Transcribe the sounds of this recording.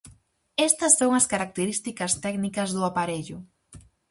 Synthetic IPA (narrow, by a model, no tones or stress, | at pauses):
ɛst̪ɐsːowŋɐskaɾak̚t̪eɾist̪ikɐst̪ɛɡnikɐzðuapaɾeʎʊ